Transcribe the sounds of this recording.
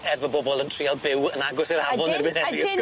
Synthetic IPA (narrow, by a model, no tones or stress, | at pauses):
ɛrvɔbɔbɔlˠəntʰr̥ialˠbɪwənaɡʊsɛrhavɔnɛrbɨɛvɪ